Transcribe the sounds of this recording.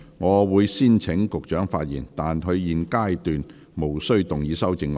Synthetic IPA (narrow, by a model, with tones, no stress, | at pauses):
ŋɔː˨˧wuː˨˧jsiː˥nt͡sʰɪ˨˥ŋkʊ˨k̚t͡ʃœː˨˥ŋfa̰ː˧t̚jiː˨˩nt̪aː˨nɦɵ˧ɥjiː˨nkaː˥jt̪yː˨n | mo˨˩wsɵ˥ɥt̪ʊ˨˩ŋjiː˨˧sɐ˥wt͡sɪ˨˧ŋɔ